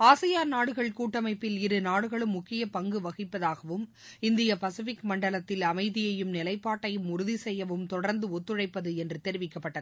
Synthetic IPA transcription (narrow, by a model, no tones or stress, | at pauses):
aːsɐjaːnnaːɽɯɣɐɭkuːʈːɐmɐɪpːɪlɪɾɯnaːɽɯɣɐɭɯmːʊkːɪjɐpɐŋɡɯʋɐɣɪpːɐðaːɣɐʋɯm | ɪnd̪ɪjɐpɐsɪfɪkmɐɳɖɐɭɐt̪ːɪlɐmɐɪðɪjɐjɯmnɪlɐɪpːaːʈːɐjɯmʊɾʊðisɛjːɐʋɯmt̪ɔɽɐɾnd̪ɯɔt̪ːɯɻɐɪpːɐðɯɛndrɯt̪ɛɾɪʋɪkːɐpːɐʈːɐðɯ